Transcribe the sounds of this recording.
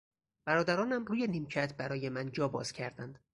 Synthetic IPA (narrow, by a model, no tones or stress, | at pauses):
b̥æɾɒːd̪æɾɒːnæmruːjeniːmcʰæt̪ʰbæɾɒːjemænd͡ʒɒːbɒ̰ːz̥cʰæɾd̪ænd̪̥